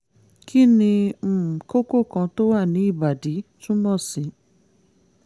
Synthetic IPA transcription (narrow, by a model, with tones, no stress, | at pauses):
kʰi˦nĩ˧m̩˨ko˦ko˦˨kã˧to˦wa˦˨nĩ˨˦i˦˨ba˨de˨˦tũ˦mɔ̃˦˨sĩ˨˦